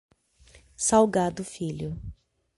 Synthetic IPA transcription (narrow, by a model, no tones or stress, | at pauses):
sawɡad̪ʊfiʎʊ